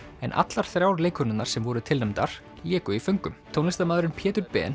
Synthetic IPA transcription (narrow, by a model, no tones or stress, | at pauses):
ɛ̰nʔa̰t̪laɾ̥θɾjawɾleːjkʰʏnɪnnːaɾ̥sɛmvɔɾʏt̪ʰɪlnɛmt̪aɾ̥ | ljɛːkʏifœŋkʏmt̪ʰownɪst̪amaːðɾʏnpʰjɛːt̪ʏɾpɛ̰ːn